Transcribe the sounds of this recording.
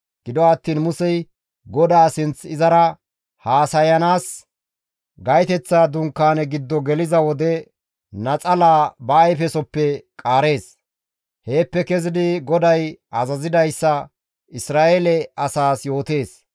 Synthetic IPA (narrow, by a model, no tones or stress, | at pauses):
ɡ̥ɪd̪ɔɐt̪ːiːnmʊsɛj | ɡɔd̪aːsɪnt͡sɪzɐɾɐ | haːsɐjɐnaːs | ɡɐjt̪ɛt͡sːad̪ʊŋkːaːnɛɡɪd̪ːɔɡɛlɪzɐwɔd̪ɛ | nɐt͡sʼɐlaːbɐːjfɛsɔpːɛkʼaːɾe̞ːs | he̞ːpːɛkɛzɪd̪ɪɡɔd̪ɐjɐzɐzɪd̪ɐjsːɐ | ɪsɾaːʔelɛɐsaːsjo̞ːt̪e̞ːs